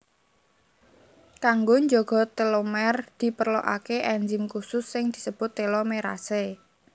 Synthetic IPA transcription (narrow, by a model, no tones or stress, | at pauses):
k̪aŋɡoɲd͡ʒɔɡ̥ɔ̤t̪elomɛrd̪̥i̤pərlo̰ʔa̰keʔɛɲd͡ʒɪmkusʊsːɪŋd̪̥i̤səb̥ʊt̪ːelɔmeɾa̰se